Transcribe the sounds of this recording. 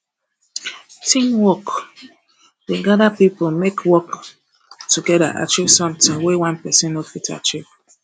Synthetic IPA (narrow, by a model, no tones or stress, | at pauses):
tʰĩnwɔk | deɡadapipəlmekʰwɔk | tʰuɡɛɾa̰ʔa̰t͡ʃivsɔ̃mtɪ̃ŋwɛwãnpɛsɛ̃nofitʰa̰t͡ʃiv